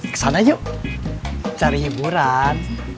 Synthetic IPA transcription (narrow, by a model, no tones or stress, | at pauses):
sanʔajuʔ | t͡ɕaɾiːbuɾaːn